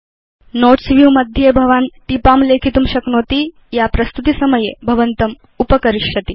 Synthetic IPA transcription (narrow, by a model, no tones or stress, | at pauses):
noːʈsʋijũmɐd̪ʱjebʱɐʋaːnt̪ipaːmleːkʰit̪uːmɕɐknoːt̪i | japɾɐst̪ut̪isɐmɐjebʱɐʋənt̪ɐm | upəkɐɾiʂjɐt̪i